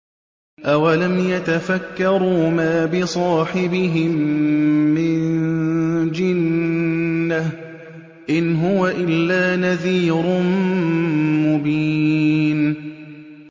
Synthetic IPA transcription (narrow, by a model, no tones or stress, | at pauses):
ʔawalamjat̪afakːɑɾˤuːmaːbɪsˤɑːħɪbɪɦɪmː | ɪnn | d͡ʒɪnː | ah | ʔɪnɦʊwaʔɪlːaːnaðiːɾʊ | mʊbiːn